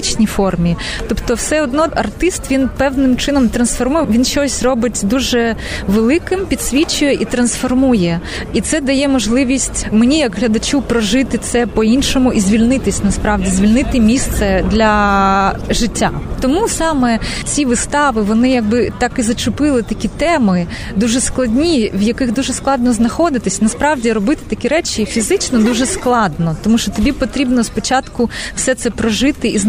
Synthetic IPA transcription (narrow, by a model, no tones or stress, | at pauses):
t͡ʃnʲifɔrmʲi | t̪ɔpt̪ɔwsɛɔd̪nɔɐ̰rt̪ɪst̪ʋʲinpɛwnɪmt͡ʃɪnɔmt̪ɾɐnsfɔrmujɛʋʲinʃt͡ʃɔsʲrɔbɪtʲd̪uʒɛʋelˠɪkɪmpʲid̪sʲʋʲit͡ʃʊjɛʔit̪ɾɐnsfɔrmujɛ | it̪sɛd̪ɐjɛmɔʒlˠɪʋʲisʲtʲmenʲijɐkɦlʲɐd̪ɐt͡ʃupɾɔʒɪt̪ɪt̪sɛpɔinʃɔmʊʔizʲʋʲilʲnɪt̪ɪsʲnɐspɾɑʋdʲizʲʋʲilʲnɪt̪ɪmʲist̪sɛd̪lʲɐ | ʒɪtʲːat̪ɔmusɑmɛt͡sʲiʋɨst̪ɑʋɪʋɔnɪjɐɡ̚bɪt̪ɑkizɐt͡ʃʊpɪlˠɪt̪ɐkʲit̪ɛmɪ | d̪uʒɛsklˠɐdʲnʲiʋjɐkɪɣd̪uʒɛsklˠɑd̪̚nɔznɐxɔd̪ɪt̪ɪsʲnɐspɾɑʋdʲiɾɔbɪt̪ɪ̥t̪ɐkʲiɾɛt͡ʃʲifʲizɪt͡ʃnɔd̪uʒɛsklˠɑd̪nɔt̪ɔmuʃt͡ʃɔt̪ɔbʲipɔt̪ɾʲibnɔspɔt͡ʃɑt̪kʊw̥sɛt̪sɛpɾɔʒɪt̪ɪʔiz